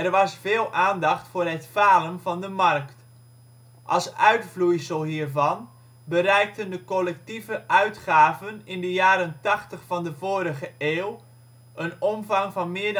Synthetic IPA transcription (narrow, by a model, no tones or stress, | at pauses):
ɛrʋɑsfeːlˠaːndɑχtfoːrɛtfaːləmvɔndəmarkt | ʔɑ̰lˠsœɥtflujsəlˠhiːrvɑn | bərɛjk̚təndəkɔlɛk̚tivəʔœɥtχaːvənɪndəjaːɾəntɑxtəχfɑndəvoːɾəɣəeːwˠ | ənɔmvɑŋvɑnmɪəɹd